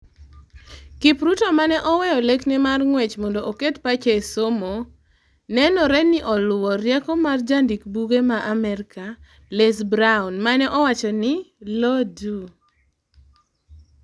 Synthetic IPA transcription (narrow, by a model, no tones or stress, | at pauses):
kipɾutɔmanɛʔɔwɛjɔleknɪmarŋwɛt͡ʃmɔndɔʔoketpat͡ʃesomo | nɛnɔɾɛnɪʔɔlʊwɔɾjɛkɔmard͡ʒandikbuɡemaʔamɛɾka | lesbɾaunmanɛʔɔwat͡ʃɔnɪlodu